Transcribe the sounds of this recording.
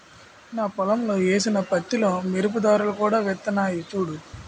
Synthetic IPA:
naːpɔlɐmlo̞ːeːs̬inɐpɐt̪ːilo̞ːmiɾup̬ud̪aːɾulɐkuːɽaːʋɛt̪ːɐnaːjit͡ʃuːɽu

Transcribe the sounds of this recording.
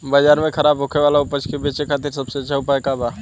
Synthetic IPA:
bad͡ʒaːɾmẽkʰɐɾaːbɦʊkʰeʋaːlaʊpət͡ʃkebeːt͡ʃekʰaːt̪ɪɾsɐbseɐt͡ʃːʃʰaʊpaːekabaː

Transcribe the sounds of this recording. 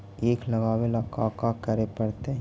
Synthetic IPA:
eːklɐɡaːwelakaːkakɐɾepɐɽt̪eɦ

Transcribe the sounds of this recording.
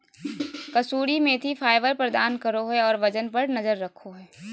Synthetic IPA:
kɐsuːɽimẽt̪ʰifʰaːɪʋəɾpɾɐd̪aːnkɐɾoɦɛɔːɾʋɐd͡ʒənpɐɾnɐzəɾːɐkʰːoɦɛː

